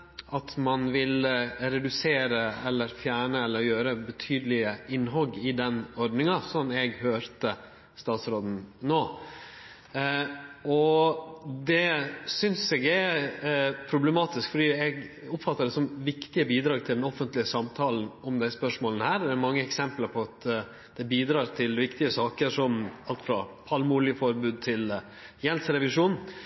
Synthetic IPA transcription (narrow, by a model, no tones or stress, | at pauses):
ʔɑt̪mɑnʋɪlɾɛd̪ʉseːɾəɛlːəɾfjæːɳəɛlːəɾjøːɾəbət̪ʰyːd̪əlɪəɪnːɦɔɡːɪd̪ɛnɔɾɖnɪŋɑsɔnːɛɡhøːɾt̪ə | st̪ɑːt̪sɾoːd̪n̩noː | ɔ | d̪ɛsʏnsɛɡɛ | pʰɾʊblɛmɑːt̪ɪskfɔɖiːɛɡ | ʊpfɑt̪ːəɖ̪ɛsɔmʋɪkt̪ɪəbiːd̪ɾɑːɡ̚t̪ʰɪld̪ɛnɔfənt̪lɪəsɑmt̪ʰɑːln̩ɔmd̪æɪspœʂmoːlənəhæːɾd̪ɛɾmɑŋːəɛksɛmpləɾpʰɔɑt̪ | d̪̥ɛbiːd̪ɾɑːɾt̪ʰɪlʋɪkt̪ɪəsɑːkəɾʂɔmɑlt̪fɾɑpʰɑlmulɪəfɔɾbʉːd̪̚t̪ʰɪl | jɛnsɾɛʋɪʂuːn